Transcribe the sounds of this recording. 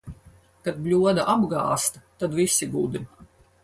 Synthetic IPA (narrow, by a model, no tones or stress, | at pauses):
kad̪̚blʲuɔd̪aʔabɡa̰ːst̪at̪ad̪visʲiɡuːd̪i